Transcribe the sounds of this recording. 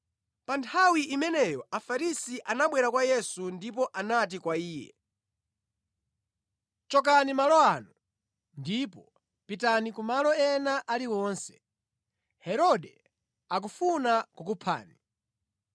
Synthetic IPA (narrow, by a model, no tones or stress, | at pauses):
pantʰawiʔimɛnɛjɔafaɾisiʔanaɓwɛɾakwajɛsundipɔʔanat̬ikwaiːjɛ̰ | t͡ʃɔk̬animalɔanu | ndipɔ | pitanikumalɔɛnaʔaliwɔnsɛ̥ | hɛɾɔdɛ | ak̬ufunakukupʰa̰ːni